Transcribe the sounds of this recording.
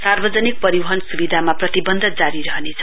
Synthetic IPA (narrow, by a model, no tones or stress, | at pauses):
sarbʌd͡zʌnik̚pʌɾibʌɦʌnsubid̪ʱamaprʌt̪ibʌnd̪ʱʌd͡zaɾiɾʌɦnet͡sʰʌ